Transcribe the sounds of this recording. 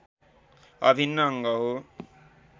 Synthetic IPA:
ʌ̰bʱinːʌːŋɡʌɦo

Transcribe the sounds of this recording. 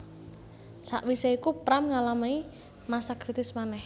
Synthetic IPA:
sa̰ʔwisaikupɾamŋalamai | masakɾit̪ɪsmanɛh

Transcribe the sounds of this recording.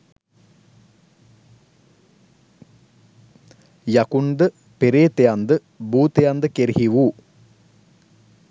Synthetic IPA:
jɐkund̪ə | peɾeːt̪ejand̪ɨ | buːt̪ejand̪ɨkeɾihiʋuː

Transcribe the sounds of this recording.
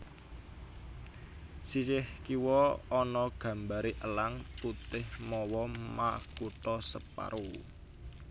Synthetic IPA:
sisɪhkiwɔːnɔɡ̥a̤mbaɾiʔəlaŋput̪ɪhmɔwɔmakut̪ɔsəpa̰ɾu

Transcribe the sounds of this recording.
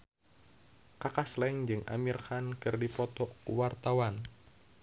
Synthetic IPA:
kakaslɛŋd͡ʒɨŋʔa̰mirxankɨrdipɔt̪ɔkuwart̪awan

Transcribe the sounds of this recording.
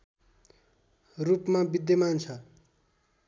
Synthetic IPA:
rupmabid̪jʌmant͡sʰʌ

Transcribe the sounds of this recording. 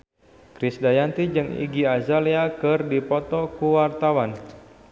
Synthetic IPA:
kɾɪsdajant̪id͡ʒɨŋḭɡiazaliakɨrdipɔt̪ɔkuwart̪awan

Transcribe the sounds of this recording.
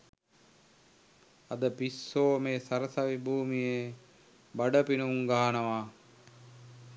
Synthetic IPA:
ad̪əpisːoːmeːsaɾəsaʋibʱuːmije | baɖəpinuŋɡaːnəʋa

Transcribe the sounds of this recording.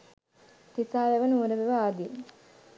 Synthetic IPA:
t̪isaːʋɛʋənuːɾəʋeʋaad̪i

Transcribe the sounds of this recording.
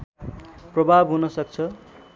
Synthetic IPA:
prʌbʱabɦunʌsʌk̚t͡sʰʌ

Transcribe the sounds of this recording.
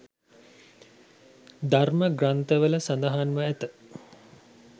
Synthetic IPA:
d̪arməɡrant̪əʋələsand̪ɐɦanʋəæt̪ə

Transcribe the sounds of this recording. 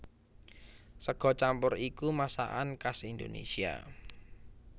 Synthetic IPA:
səɡ̥ɔ̤t͡ʃampʊɾikumasa̰ʔankasind̪onḛsia̰

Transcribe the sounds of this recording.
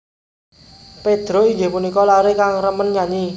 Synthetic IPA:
ped̪̥ɾoid͡ʒepunikɔlaɾekaŋrəmənɲaɲi

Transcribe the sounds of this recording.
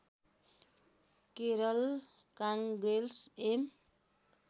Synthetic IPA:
keɾʌl | kaŋɡɾelsem

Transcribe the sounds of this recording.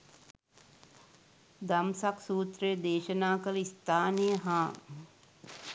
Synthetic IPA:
d̪ɐmsaksuːt̪ɾejəd̪eːʃənaːkələist̪ʰaːnejəɦãː

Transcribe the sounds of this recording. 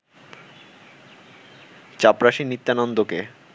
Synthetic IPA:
t͡ɕapɾaʃinit̪ːanɔnd̪oke

